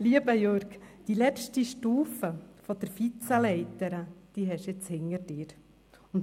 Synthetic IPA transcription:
liəbəjøɾɡd̪̥ilɛʃtiʃtuːfəfɔd̪̥əɾfit͡səlɛɪt̪əɾəd̪̥iɦɛʃɪt͡shɪŋəɾdɪːɾ | ʊnt

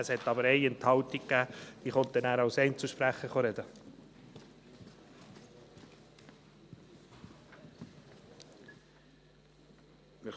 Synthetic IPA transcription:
ɛshɛt̪ːɑbəɾɛɪɛnt̪hɑwtikkæːd̥̪iːχɔnt̪ɛnæːɾɑwsɛɪnt͡suʃpɾæχəχoɾɛd̥̪ə | mɪ

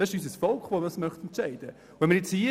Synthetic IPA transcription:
d̥ɑsɪʃys̬əsfɔlkχʋomədɑsmœχt̪ɛnt̪t͡ʃæɪd̥ə | vɛnmːəɾjet͡shiː

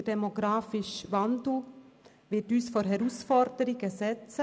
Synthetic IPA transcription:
ədɛmoɡɾaːfɪʃʋɑnd̩ | ʋɪtyːsfɔɾɦɛɾusfɔɾd̥əɾɪɡəsɛt͡sə

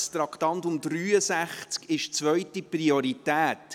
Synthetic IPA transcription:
st̪ɾɑktɑntʊmdryːəsæχt͡skɪʃt͡sʋœʏtiprioɾitæːt

